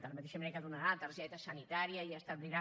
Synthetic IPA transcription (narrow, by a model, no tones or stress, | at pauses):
t̪əlmət̪eʃəmeɾekəd̪unəɾat̪əɾʒɛt̪əsənit̪aɾiəiəst̪əβliɾa